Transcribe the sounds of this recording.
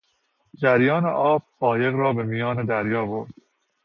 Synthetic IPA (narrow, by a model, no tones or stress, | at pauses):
d͡ʒæɾjɒːnḛʔɒːb̚bɒːje̞ɣɾɒːbe̞mijɒːned̪æɾjɒːboɾd̪̥